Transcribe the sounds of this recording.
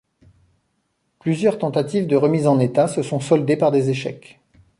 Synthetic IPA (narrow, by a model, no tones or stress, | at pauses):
plyzjœʁt̪ɑ̃t̪at̪ivd̪əʁəmizɑ̃net̪asəsɔ̃sɔld̪epaʁd̪ezeʃɛ̰k